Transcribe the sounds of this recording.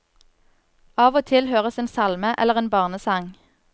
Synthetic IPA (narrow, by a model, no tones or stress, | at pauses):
ɑːʋoːt̪ʰɪlhøːʁəseːnsɑlməʔɛ̰ləʁeːnbɑːʁnəsɑŋ